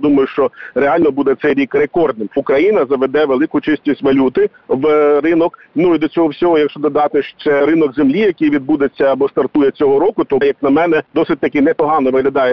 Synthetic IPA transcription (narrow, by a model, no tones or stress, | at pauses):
d̪umɐjʊʃt͡ʃɔɾeɑlʲnɔbud̪ɛt̪sɛjɾʲikrekɔrd̪nɪmʊkɾɐjinɐzɐʋed̪ɛʋelˠɪkʊt͡ʃɪstʲisʲtʲʋɐlʲut̪ɪ | ʋrɪnɔk | nuid̪ɔt͡sʲɔɦɔwsʲɔɦɔjɐkʃt͡ʃɔd̪ɔd̪ɑt̪ɪʃt͡ʃɛɾɪnɔɡzemlʲijɐkɪjʋʲid̪̚bud̪et͡sʲːɐːbɔst̪ɐrt̪ujɛt͡sʲɔɦɔɾɔkʊt̪ɔjɐk̚nɐmɛnɛd̪ɔsɪt̚ʲt̪ɐkɪnɛpɔɦɑnɔʋɪɦlʲɐd̪ɑjɛ